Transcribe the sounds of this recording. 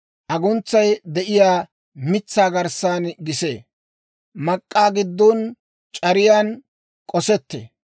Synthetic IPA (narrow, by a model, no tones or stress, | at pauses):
ʔɐɡʊnt͡sːɐjd̪ɛʔɪjaː | mɪt͡sːaːɡɐɾsaːnɡɪseː | mɐkʼːaːɡɪd̪ːɔn | t͡ʃʼɐɾɪjaːn | kʼɔsɛt̪ːḛ